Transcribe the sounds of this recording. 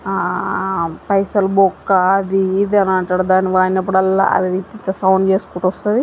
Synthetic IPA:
pɐjsɐlbokːɐɐd̪iːd̪ɐnɐɳʈaːɽud̪aːniʋaːɾinɐp̬ːuɽɐlːa̰ːʔɐ̰ʋiʋit̪int̪ɐsɐwɳɖt͡ʃe̞ːsu̥kuːʈɔst̪ɐd̪i

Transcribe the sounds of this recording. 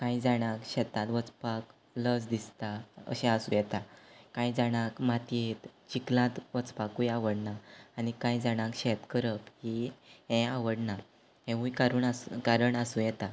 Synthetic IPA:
kãid͡zaɽ̃ãkɕɛt̪ãt̪ʋət͡spak | ləsd̪ist̪aə̰ɕɛ̃əsṵ̃jɛt̪akãjd͡zaɽ̃akmat̪iet̪t͡ɕiklãt̪ʋət͡spakũjaʋəɽnaːɽikãjd͡zaɽ̃ãkɕɛt̪kəɾəkhiɦɛ̃aʋəɽna | ɦẽũjkaɾuːɳakaɾəɳasũjɛt̪a

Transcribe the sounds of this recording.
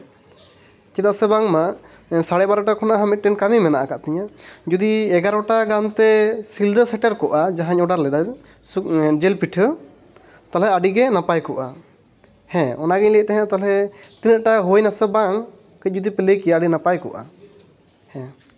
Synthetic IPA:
t͡ʃit̪aʔsɛbaŋmaʔ | saɽɛbaɾɔʈakʰɔnaɦamit̪̚ʈɛnkamimɛnaʔakaʔt̪ɛɲad͡ʒud̪iɛɡaɾɔʈaɡant̪ɛsild̪əsɛʈɛɾkɔʔad͡ʒaɦaɲɔɖaɾlɛd̪a | d͡ʒɛlpiʈʰə | t̪alɛəɖiɡɛnapajkɔʔa | hɛ̃ɔnaɡiɲlɛt̪ɛɦɛ̃t̪alɛt̪inəʔ̚ʈaɦojnasɛbaŋ | kəc̚ˀd͡ʒud̪ipɛləjkijaːɖinapajkɔ̰ʔa̰ | hɛ̃

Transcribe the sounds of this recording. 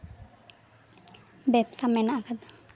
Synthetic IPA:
bɛpsamɛnaʔkad̪a

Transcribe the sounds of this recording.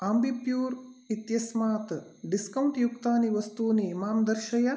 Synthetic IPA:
aːmbipjuːɾit̪jɐsmaːt̪ɖiskɐwuɳʈjukt̪aːniʋɐst̪uːnimaːmd̪ɐɾʃɐjɐ

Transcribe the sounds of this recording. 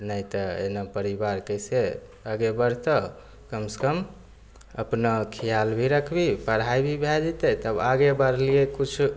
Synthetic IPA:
nəjt̪əḛnapəɾibaɾkəjse | əɡebəɾt̪ə | kəmse̥kəm | ə̰pnakʰijalbʱiɾəkʰbipəɽ̤ɦajbʱibʱɛd͡ʒet̪ət̪əbaɡebəɾliekut͡ʃʰ

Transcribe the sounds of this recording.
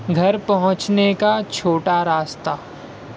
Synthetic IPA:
ɡʱɐɾpɐɦʊ̃t͡ʃnekat͡ʃʰoːʈaɾaːst̪a

